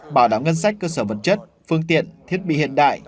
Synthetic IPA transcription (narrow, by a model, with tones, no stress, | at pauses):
ɓaː˨˩wɗaː˧˩wŋə˧nsa˦˥k̟̚kːəː˧səː˧˩və˨˩t̚t͡ɕə˦˥t̚ | fɨ˧əŋt̪ḭ˧˨ənt̪ʰi˦˥ət̚ɓḭ˧˨hḭ˧˨ənɗa̰ː˧˨j